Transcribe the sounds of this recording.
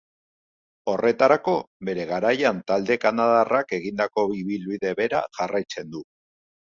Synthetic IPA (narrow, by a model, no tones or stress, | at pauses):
o̞re̞t̪aɾako̞be̞ɾe̞ɣ̞aɾajant̪ald̪e̞kanað̞arake̞ɣind̪ako̞βiβilβiðe̞βe̞ɾa̰ʝarajt͡se̞nd̪u